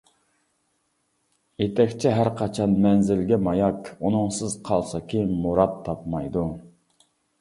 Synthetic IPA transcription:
jet̪ʰɛkʲt͡ʃʰɛɦæɾqʰɑt͡ʃʰɑnmɛnzɪlɡʲɛmɑjɑkunɨŋsɨzqʰɑlˠsɑkʲʰejinmuɾɑt̪ʰːɑpmɑjd̪u

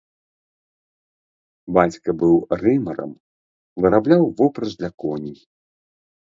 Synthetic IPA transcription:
bat͡sʲkɐbɨwrɨmɐɾɐ̰m | vɨɾablʲawvɔpɾɐzd̪lʲɐkɔnʲi

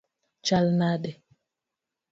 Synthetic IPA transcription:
t͡ʃalnadɛ

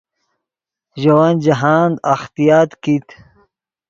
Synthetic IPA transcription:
ʑɐwand͡ʑɐɦaːnd̪axt̪ijaːt̪kit̪

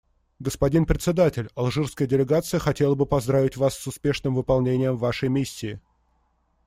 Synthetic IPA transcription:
ɡəspɐdʲinpɾʲɪt̪sʲɪd̪atʲɪlʲɐlˠʐɨrskəjədʲɪlʲɪɡat̪sɨjəxɐtʲe̞lˠəbɨpɐzd̪ɾavʲɪtʲvasːʊspʲe̞ʂnɨmvɨpɐlˠnʲenʲɪjəmvaʂəjmʲisʲːɪː

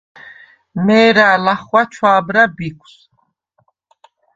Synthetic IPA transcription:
mɛːɾaːlaχwat͡ʃʰwaːbɾabikʷʰs

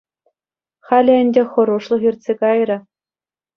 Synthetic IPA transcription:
χɑlʲɘ̆ɘ̆nʲdʲexɤ̆ɾuʂlˠɤ̆xʲirt̪ʲsʲekɑjɾʲɘ̆

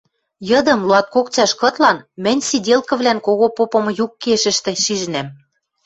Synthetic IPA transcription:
jɤ̆d̪ɤ̆mluɑt̪̚kokt͡ɕɑʃkɤ̆t̪lɑnmɘ̆nʲsidʲelkɤ̆βlænkoɣopopɤ̆m̆jukːeʃɘ̆ʃt̪ĕʃiʒ̆næm

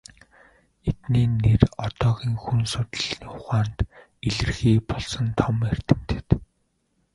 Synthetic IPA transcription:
et̪niːnerɔt̪ɔːɣiːŋxunsʊt̪̆ɮiːŋχʊχaːnt̪ | eɮɘ̆rxiːpɔɮsɞ̆nt̪ʰɔmer̥t̪ɘ̆m̥t̪ɘ̥̆t̪

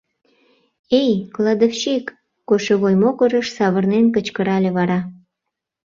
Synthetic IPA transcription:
ejklɑd̪oft͡ɕekː | oʃeβojmokəɾəʃsɑβərnenkət͡ɕkəɾɑlʲeβɑɾɑ

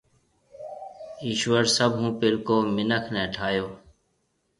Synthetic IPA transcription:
iːʃʋəɾsəbʱɦũːpɪlkoːmɪnəkʰnɛ̃ːʈʰaːjoː

